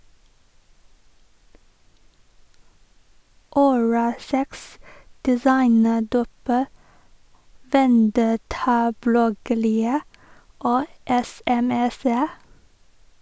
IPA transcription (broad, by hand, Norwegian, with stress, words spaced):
ʊˈɹɑːlˌsɛks dɛˈsɑɪnəˌɖuːp ə ʋɛnˈdɛtɑˌblɔɡəɾɪə ˈoː ɛsɛˈmɛsə